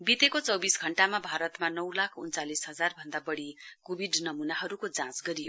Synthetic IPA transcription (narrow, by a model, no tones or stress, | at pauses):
bit̪ekot͡sʌwbisɡʱʌɳʈamabʱaɾʌt̪manʌwlakʰṵnt͡salisɦʌd͡zarbʱʌnd̪abʌɽikobʱiɖnʌmunaɦʌɾukod͡zãt͡sɡʌɾijo